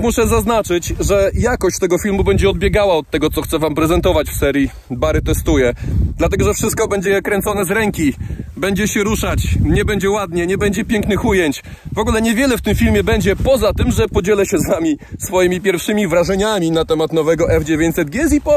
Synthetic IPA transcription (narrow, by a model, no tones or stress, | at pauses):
muʂɛzaznat͡ʂɘt͡ɕʐɛjakɔɕt͡ɕt̪ɛɡɔfʲilmubɛɲd͡ʑɛɔd̪̚bʲjɛɡawaɔt̪̚ːɛɡɔt̪sɔxt̪sɛvampɾɛzɛnt̪ɔvat͡ɕfsɛɾʲji | baɾɘt̪ɛst̪ujɛd̪lat̪ɛɡɔʐɛfʂɘst̪̚kɔbɛɲd͡ʑɛkɾɛnt̪sɔnɛzɾɛŋkʲibɛɲd͡ʑɛɕɛɾuʂat͡ɕɲɛbɛɲd͡ʑɛwad̪ɲɛɲɛbɛɲd͡ʑɛpʲjɛŋknɘxujɛɲt͡ɕ | vɔɡulɛɲɛvʲjɛlɛft̪ɘmfʲilmʲjɛbɛɲd͡ʑɛpɔzat̪ɘmʐɛpɔd͡ʑɛlɛɕɛzvamʲisfɔjimʲip̬ʲjɛɾfʂɘmʲivɾaʐɛɲamʲinat̪ɛmat̪nɔvɛɡɔʔɛfd͡ʑevʲjeɲt͡ɕʲsɛd̪̚ɡʲjɛzipɔ